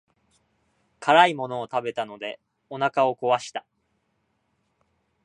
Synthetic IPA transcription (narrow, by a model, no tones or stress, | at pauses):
kʰaɾaimo̞no̞ːt̪abe̞t̪ano̞d̪e̞ | o̞nakao̞ko̞βaɕi̥t̪a